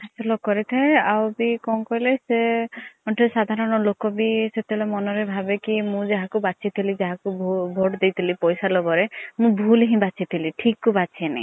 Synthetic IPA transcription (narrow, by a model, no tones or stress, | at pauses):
asʰɔlɔkɔɾit̪ʰaeawbikɔ̃kɔɦileseɔʈesad̪ʱaɾɔnɔlokɔbiset̪eblemɔnɔɾebʱabekimũd͡ʒaɦakubat͡ʃʰit̪ʰilid͡ʒaɦakubʱoʈd̪ejt̪ʰilipɔjsalɔbɔɾemũbʱulɦĩbat͡ʃʰit̪ʰiliʈʰikːubat͡ʃʰienḛ